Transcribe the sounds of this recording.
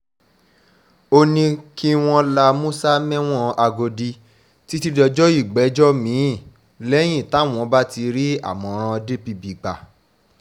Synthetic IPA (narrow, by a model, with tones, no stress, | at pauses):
o˧nĩ˧ki˦w̃ɔ̃˧la˧mũ˦sa˦mɛ̃˦w̃ɔ̃˦a˧ɡo˧di˧ | ti˦ti˦dɔ˧d͡ʒɔ˦i˦˨ɡ͡bɛ˨˦d͡ʒɔ˦mĩ˨˦˨ | lɛ˦j̃ĩ˦˨ta˨˦w̃ɔ̃˧˦ba˦ti˧ɾi˦a̰˦˨mɔ̃˧˨˧ɾ̃ã˧de˦pi˧bi˨ɡ͡ba˨